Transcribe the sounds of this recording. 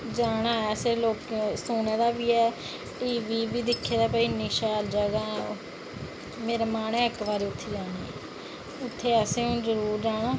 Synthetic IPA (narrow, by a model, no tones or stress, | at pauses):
d͡ʒaːɽaːɛːseːloːksuːneːd̪aːbiːɛː | ʈiːʋiːbiːd̪ɪkʰːeːd̪aːpəiːnɪʃaːld͡ʒəɡaː | meːɾeːmaːnɛːəkʋaːɾiːʊt̪ʰːeːd͡ʒaːnaː | ʊt̪ʰːeːəːseːʊ̃nzəɾuːɾd͡ʒaːɽaː